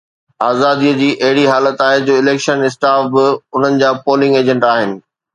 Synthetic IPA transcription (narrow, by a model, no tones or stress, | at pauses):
aːzaːd̪iəd͡ʑiːʔɐɦɪɽiɦaːlət̪aːɦed͡ʑoːɪleːkʃənɪs̬ʈaːfbɪʊn̤ənɪ̆d͡ʑaːpoːlɪ̃ŋɡeːd͡ʑə̃ɳʈaːɦɪnɪ̆